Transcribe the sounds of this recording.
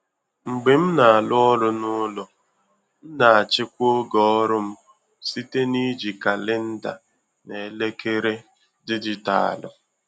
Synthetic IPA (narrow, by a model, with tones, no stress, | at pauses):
ŋ͡m̩˨ɡ͡be˨m̩˦na˨a˨lʊ˦ɔ˦ɾʊ˦nʊ˦lɔ˨ | n̩˦na˨a˨t͡ʃɪ˦kʷo˦ɡɔ˦ɔ˦ɾʊ˦m̩˦ | si˦te˦ni˦d͡ʒi˨ka˨lɪ˦n̩˦da̰˨ | ne˨˦le˦ke˦ɾe˦ | dɪ˦dɪ˦ta̰˨a̰˨lʊ̰˨